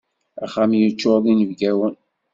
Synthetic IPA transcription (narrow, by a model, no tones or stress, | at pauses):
æχamjət͡ʃːoðˤinəvɡæwən